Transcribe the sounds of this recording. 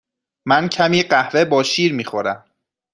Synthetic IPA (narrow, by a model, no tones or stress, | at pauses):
mæncʰæmiːɢæhve̞bɒːʃiːɾmiːxoɾæm